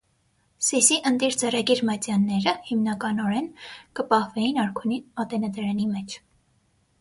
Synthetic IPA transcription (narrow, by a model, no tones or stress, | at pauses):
sisiʔənd̪iɾt͡sɛrɑɡiɾmɑt͡sjɑnːɛɾəhimnɑkɑnɔɾɛnkəpɑhvɛjinɑɾkʰuniɑt̪ɛnɛd̪ɛɾɛnimɛt͡ʃʰ